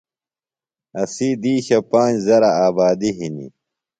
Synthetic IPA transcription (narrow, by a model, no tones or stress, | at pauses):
ɐsid̪iːɕɐpãːd͡ʑzɐɾaaːbaːd̪iɦinḭ